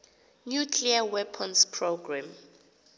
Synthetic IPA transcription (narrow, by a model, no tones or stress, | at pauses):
nukʰliawɛpʰɔnspʰroɡrãm